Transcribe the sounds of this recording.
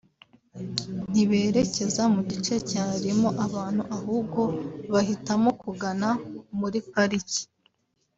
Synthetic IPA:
n̥iβe̞ːɾe̞ce̞zamuɟit͡ʃe̞caːɾimo̞ʔaβaːn̥huʔaɦuːbɡo̞βahitamo̞kuɡanamuɾipaɾici̥

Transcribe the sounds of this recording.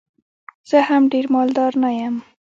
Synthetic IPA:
z̥əhamɖeɾmɑld̪ɑɾnajam

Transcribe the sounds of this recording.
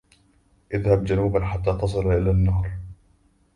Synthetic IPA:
ʔɪðhabd͡ʒanuːbanħat̪ːaːt̪ɑsˤɨlaʔɪlaːnːɑːɾˤ

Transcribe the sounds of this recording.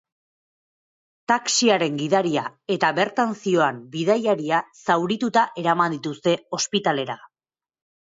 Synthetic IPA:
t̪aksiaɾe̞ŋɡiðaɾiae̞t̪aβe̞ɾt̪ansio̞ambið̞ajaɾiasawɾit̪ut̪aʔe̞ɾamand̪it̪ust̪e̞o̞spit̪ale̞ɾa

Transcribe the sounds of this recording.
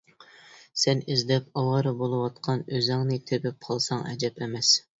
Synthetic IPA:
sɛnizd̪ɛpɑwɑɾɨbolˠɨwɑt̪̚qʰɑnøzɛŋnɨt̪ʰebyp̚qʰɑlˠsɑŋʔɛ̰d͡ʒɛpʰɛmɛs

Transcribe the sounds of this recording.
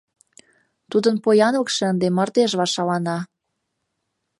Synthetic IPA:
t̪ud̪ənpojɑnlɤ̆kʃə̆ənd̪emərt̪eʒβɑʃɑlɑnɑ

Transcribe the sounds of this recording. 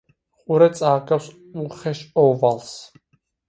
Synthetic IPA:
χʼuɾɛt̪t͡sʼaːɡʼaws | uχɛʃɔvals

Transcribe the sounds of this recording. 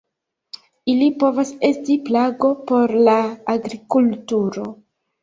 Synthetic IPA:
ilipo̞vase̞stiplaɡo̞po̞ɾlaːɡɾikultuɾo̞

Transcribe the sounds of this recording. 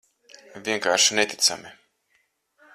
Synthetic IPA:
vʲiɛŋkaːɾʃinet̪ʲit̪sa̰mi

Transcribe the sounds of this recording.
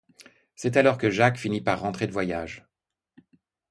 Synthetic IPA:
sɛt̪alɔʁkəʒakfinipaʁːɑ̃t̪χed̪əvwajaʒ

